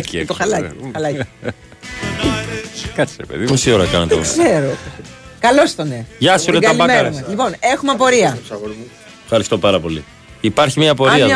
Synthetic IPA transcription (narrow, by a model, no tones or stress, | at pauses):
ct̪oxɐlɐiɐlɐc | kɐsɾepḛðimosioɾɐkɐnet̪oksseɾokɐlo̞st̪one̞ʝɐsunetɡɐɐliɐmeuelipo̞ne̞xumepo̞ɾiɐ | fxɐɾist̪o̞pɐɾɐpo̞li | ipɐɾçimɲɐpo̞ɾiɐ